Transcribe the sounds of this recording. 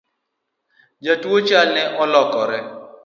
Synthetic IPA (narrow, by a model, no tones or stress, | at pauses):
d͡ʒatuot͡ʃalnɛʔɔlɔkɔɾɛ